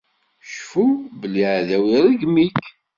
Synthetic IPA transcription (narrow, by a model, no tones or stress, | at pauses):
ʃfubəliʕðæwɾəɡmik